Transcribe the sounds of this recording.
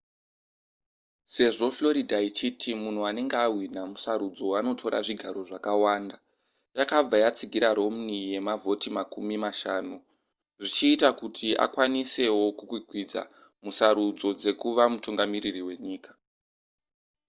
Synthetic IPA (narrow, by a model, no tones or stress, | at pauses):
se̞ʐo̞flo̞ɾidʱait͡ʃitʰimun̤uane̞ŋɡeawinamusaɾud͡zo̞wano̞tʰo̞ɾa̰ʐiɡʱaɾo̞ʐakawaːnda | jakab͡vajat͡siɡʱiɾaɾo̞mnije̞mavʱo̞timakumimaʃaːnu | ʐit͡ʃiːtakutʰiʔa̰kwanise̞wo̞kukwiɡʱwid͡za̰ | musaɾud͡zo̞d͡ze̞kuʋamutuŋɡamiririwe̞ɲiːkḁ